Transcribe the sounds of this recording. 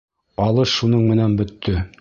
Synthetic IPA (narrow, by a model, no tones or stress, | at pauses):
ɑlˠɤʃunɤɴmɘ̆nænbɵ̆t̪ːɵ